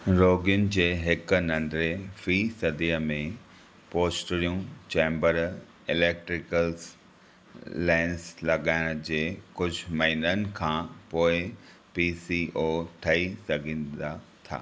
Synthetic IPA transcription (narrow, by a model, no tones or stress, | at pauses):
ɾoːɡijʊnɪ̆d͡ʑeːɦɪknɐ̃ɳɖɾefiːsɐd̪ijəmẽ | poːsʈɾijũt͡ɕɛ̃ːmbəɾ | ɪleːk̚ʈɾɪkəls | lãːɪnslɐɡaːɪɽ̃d͡ʑeːkʊd͡ʑʱʊmɐɦinənɪ̆kʰãːpoːɪ | piːsiːʔoːʈʰɐisɐɡʱĩːnd̪at̪ʰa̰ː